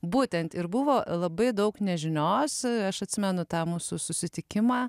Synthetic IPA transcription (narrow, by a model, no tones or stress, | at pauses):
buːt̪ʲɛnt̪ɪɾbʊʋoːlˠɐbɐɪd̪ɐʊknʲɛʒʲɪnoːsɐʃɐt̪ʲsʲɪmʲɛnʊt̪ɑːmuːsʊsʊsʲɪt̪ʲɪkʲɪmɑː